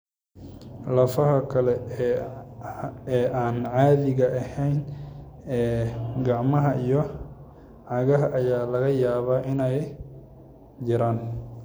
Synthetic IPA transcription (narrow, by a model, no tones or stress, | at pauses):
lɐfɐɦɐkʰɐlɛ | ɛːʔaːnʕaːðɪɣɐʔɐhɛjn | ɛːɡɑʕmɐɦɐʔijɔ | ʕɑɣɐɦɐʔɐjaːlɐɣɐjaːβaːʔɪnɛj | d͡ʒɪɾaːn